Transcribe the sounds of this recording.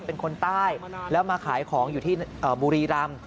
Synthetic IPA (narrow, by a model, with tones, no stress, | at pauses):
pe˧nkʰo˧nt̪aː˥˩jlɛ˦˥wmaː˧kʰaː˩˦jkʰɔː˩˦ŋjuː˨˩t̪ʰiː˥˩ʔəː˨˩buː˧ɾiː˧ɾa˧m